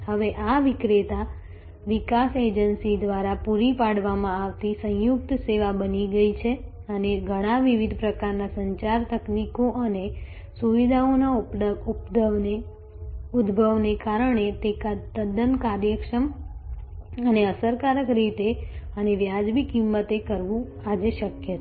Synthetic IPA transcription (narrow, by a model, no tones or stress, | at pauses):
həʋeʔaʋikɾet̪a | ʋikased͡ʒənsid̪ʋaɾapuɾipaɽʋamãaʋt̪isə̃juk̚t̪seʋabəniɡəit͡ʃʰe | əneɡʱəɽ̃aʋiʋid̪ʱpɾəkaɾnasəɲt͡ʃaɾt̪əknikoʔəne | suʋid̪ʱaonaupd̪əʋne | ud̪ʱbʱəʋnekaɾəɳet̪ekat̪əd̪ənkaɾjəkʃəm | əneəsəɾkaɾəkɾit̪eəneʋjad͡ʒbikimːət̪ekəɾʋũ | ad͡ʒeʃəkjət̪